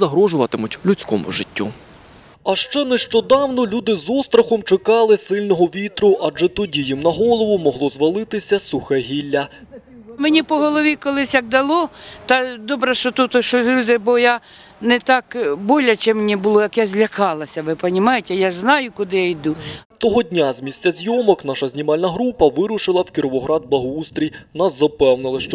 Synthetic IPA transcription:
zɐɦɾɔʒʊʋɐt̪ɪmʊtʲlʲut͡sʲkɔmʊ̰ʒɪtʲːu | ɐʃt͡ʃɛnɛʃt͡ʃɔd̪ɑwnɔlʲud̪ɪzɔst̪ɾɐxɔmt͡ʃɪkɑlˠɪsɪlʲnɔɦɔʋʲit̪ɾʊʔɐd͡ʒɛt̪ɔdʲijimnɐɦɔlˠɔʋʊmɔɦlˠɔzʋɐlˠɪt̪ɪsʲɐsuxɛɦʲilʲːɐ | menʲipɔɦɔlˠɔʋʲikɔlˠɪsʲjɐɡ̚d̪ɐlˠɔt̪ɐd̪ɔbɾɐʃt͡ʃɔt̪ut̪ɔʃɔɦɾʲud̪ɛbɔja | nɛt̪ɑkbɔlʲɐt͡ʃɛmnʲibʊlˠɔjɐkjazʲlʲɐkɑlˠɐsʲɐʋɪpɐnʲɪmɑjet̪ʲɛjaʒznɑjʊkʊd̪ɪjajd̪ut̪ɔɦɔdʲnʲazmʲisʲt͡sʲɐzʲjɔmɔknɑʃɐzʲnʲimɑlʲnɐɦɾupɐʋɪɾʊʃɪlˠɐwkʲɪɾɔʋɔɦɾɑd̪̚blˠɐɦust̪ɾʲijnaszɐpɛwnɪlˠɪʃt͡ʃɔ

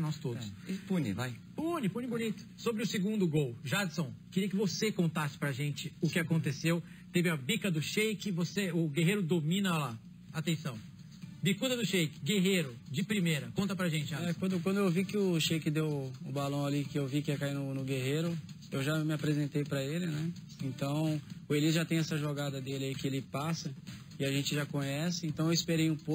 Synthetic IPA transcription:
nɔst̪odɛʊsɪpũnɪ̰vaj | pũnɪpũnɪbunit̪ʊ̥sobɾɪʊsɪɡũnd̪ʊɡowʒad͡ʒɪsõw̃kɪɾiɐkɪvosekõnt̪asɪ̥pɾɐʒẽt͡ʃɪʊkɪakõt̪esew | t̪evɪũɐbikɐd̪ʊʃejkɪvoseʊɡeɦejɾʊd̪omĩnɐla | at̪ẽsɐ̃w̃ | bikud̪ɐd̪ʊʃejkɪ̥ɡeɦejɾʊd͡ʒɪpɾimejɾɐkõt̪ɐpɾɐʒẽnt͡ʃɪaɛkwɐ̃d̪ʊkwɐ̃d̪ʊewvikɪʊʃejkɪd̪ewʊbalɐ̃w̃alikɪewvikɪɛkainʊnʊɡeɦeɾʊ | ewʒamɪapɾezẽt̪ejpɾɐelɪnɛ | ẽnt̪ɐ̃w̃ʊelizʒat̪ẽj̃ɛsɐʒoɡad̪ɐd̪elɪaikɪelɪpasɐ | ɪaʒẽnt͡ʃɪʒakõɲɛsɪẽt̪ɐ̃w̃ewispeɾejũpo

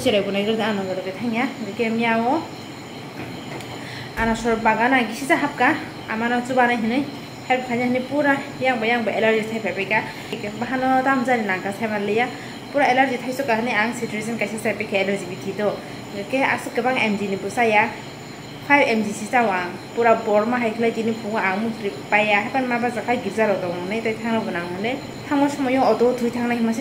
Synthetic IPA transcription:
siɾajbɔnajɡɯɯanɔɡɯɾɔkɯjtʰaŋjaɡɯkemjawɔ | anasɔɾbaɡanaɡisizaɦap̚ka | amanɔt͡ʃubanaɦinɯj | happʰajnaɦɯnipuɾajaŋbajaŋbaʔelaɾzitʰajpʰapajka | jkbaɦanɔtamzaɾinaŋkasʰajmalɯja | puɾaelaɾzitʰajsɔkaɦɯnɯjaŋsituɾsinkajsasajpakʰaɛlaɾzibitʰidɔ | ɡakea̰sukebaŋemdinibɔsaja | pʰajbemdisitawaŋ | puɾabɔɾmaɦajkʰilajdinipuŋaaŋmutɾippajaɦajpanmabazakʰajɡiɾzalɔdɔnɯjtajtʰaŋnabunaŋɯnɯ | tʰaŋmɔsɔmɔjɔŋɔdɔwtʰujtʰaŋnahimasi

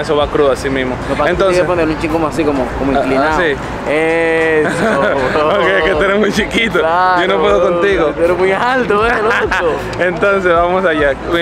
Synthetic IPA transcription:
es̬oβakɾuasimismoopaent̪onsepond̪elũnt͡ʃikomoasikomokomoiklinai | es | okeket̪eɾemujt͡ʃikit̪oad͡ʒonopweðokont̪iɣot̪eɾmujalt̪oeloso | ent̪ons̬ezβamosaʝa

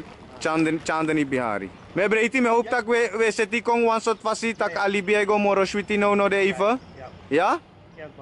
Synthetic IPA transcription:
t͡ʃand̪t͡ʃãːnd̪nibiɦa̰ːɾḭ | mẽbɾeit̪imeɦop̚t̪ɐkeʋeset̪ikoŋɡʋɐnsot̪fɐsit̪ɐkɐlibijajɡomoɾoʃwit̪inəwnod̪eifəja

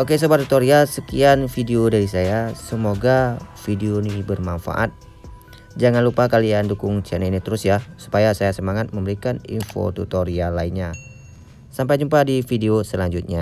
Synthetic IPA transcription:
ʔokesobart̪ut̪oɾiasəkianfideodaɾisajasəmoɡafideonibərmanfa̰ʔa̰t̪̚ | d͡ʒaŋanlupakaliandukʊŋt͡ʃanainit̪əɾʊsjasu̥pajasajasəmaŋat̪̚məmbəɾikanḭnfo̰t̪ṵt̪oɾialainɲa | sampajd͡ʒumpadifideosəlaɲd͡ʒut̪̚ɲa

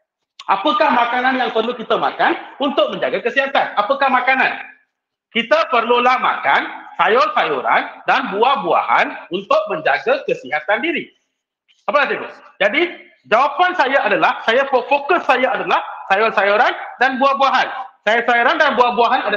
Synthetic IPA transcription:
ʔa̰pəkahmãkanãnjaŋpərlukit̪əma̰kanunt̪ʊk̚mə̃ɲd͡ʒaɡakəsiɦat̪anapəkahmãkanã̰n | kit̪əpərlulahmã̰kansajɔrsajɔɾa̰ndanbuahbua̰ha̰nunt̪ʊk̚mə̃ɲd͡ʒaɡakəsiɦat̪andiɾi | apəkat̪it̪ṵd͡ʒadi | d͡ʒawapansajaadalahsajafofokʊsːajaadalahsajɔrsajoɾandanbuahbuaɦansajɔrsajoɾandanbuahbuaɦanada

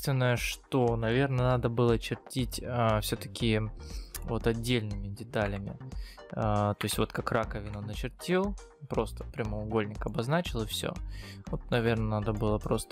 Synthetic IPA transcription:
t̪vʲɪnːəjəʂt̪o̞nɐvʲe̞rnənad̪əbɨlˠət͡ɕɪrtʲitʲəfsʲɵt̪ə̥kʲɪ | vo̞t̪ɐdʲːelʲnɨmʲɪdʲɪt̪alʲɪmʲɪ̰ | ət̪o̞jɪsʲtʲvo̞t̪kakrakəvʲɪnonət͡ɕɪrtʲelˠ | pɾo̞st̪ə̥pɾʲɪməʊɡo̞lʲnʲɪkɐbɐznat͡ɕɪlˠɨfsʲo̰vot̪̚nɐvʲe̞rnənad̪əbɨlˠəpɾo̞st̪ə

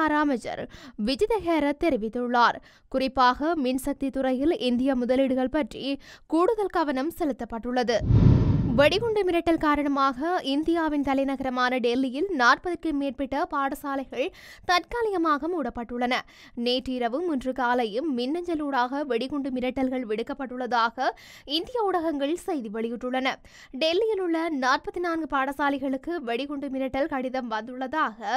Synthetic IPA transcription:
ɾaːmɐd͡ʒɐ̰ɾʋɪd͡ʒɪðɐɣeːɾɐt̪ːɛɾɪʋɪt̪ːɯɭːaːɾ | kʊrɪpːaːɣɐmɪnsɐk̚t̪it̪ʊrɐjɪlɪnd̪ɪjɐmʊðɐlɪɽɯɣɐɭpɐʈrikuːɽʊðɐlkɐʋɐnɐmsɛlɯt̪ːɐpːɐʈːɯɭːɐðɯ | ʋɛɽɪɣʊɳɖɯmɪɾɐʈːɐlkaːɾɐɳɐmaːɣɐɪnd̪ɪjaːʋɪnt̪ɐlɐɪnɐɣɐɾɐmaːnɐɖɛlːɪjɪlnaːrpɐðɐɾkɯmeːrpɛʈːɐpaːɽɐsaːlɐɪɣɐɭ | t̪ɐʈkaːlɪjɐmaːɣɐmuːɽɐpːɐʈːɯɭːɐnɐ | neːʈriːɾɐʋɯmʊndrɯkaːlɐjɯmːɪnːɐɲd͡ʒɐluːɽaːɣɐʋɛɽɪɣɔɳɖɯmɪɾɐʈːɐlɣɐɭʋɪɽɯkːɐpːɐʈːɯɭːɐðaːɣɐ | ɪnd̪ɪjaʊɽɐɣɐŋɡɐɭsɛjðiʋɛɭɪjɪʈːɯɭːɐnɐ | ɖɛlːɪjɪlʊɭːɐnaːrpɐt̪ːɪnaːnɡɯpaːɽɐsaːlɐɪɣɐɭɯkːɯʋɛɽɪɣɔɳɖɯmɪɾɐʈːɐlkɐɽɪðɐmʋɐnd̪ɯɭːɐðaːɣɐ

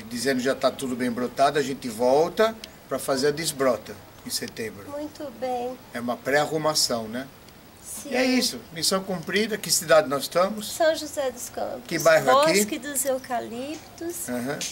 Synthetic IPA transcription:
d̪izẽnd̪ʊʒat̪at̪ud̪ʊbẽj̃bɾot̪ad̪ʊaʒẽnt̪ɪvɔwt̪ɐ | pɾɐfazeɾɐd̪ɪzbɾɔt̪ɐ | ẽset̪ẽbɾʊmũj̃t̪ʊbẽj̃ɛũmɐpɾɛahumasɐ̃w̃nɛ | siɛisʊmisɐ̃w̃kũmpɾid̪ɐkɪsid̪ad̪ɪnɔzst̪ɐ̃mʊssɐ̃w̃ʒuzɛd̪ʊskɐ̰̃pʊkɪbajɦʊaɔkiskɪd̪ʊzewkalipt̪ʊsãɦɐ̃

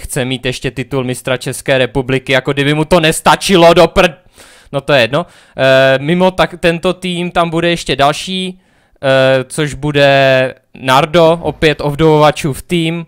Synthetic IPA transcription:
xt͡sɛmiːt̪jɛʃcɛt̪ɪt̪ulmɪst̪ɾat͡ʃɛskɛːɾɛpublɪkɪjakoɡdɪbɪmut̪o̞nɛst̪at͡ʃɪlo̞dopr̩ | not̪ojɛjɛdno | mɪmo̞t̪at̪ɛnt̪o̞t̪iːmt̪ambudɛjɛʃcɛdalʃiː | t͡soʒbudɛ | naɾdo̞ʔopjɛt̪obdovovat͡ʃuːft̪iːm

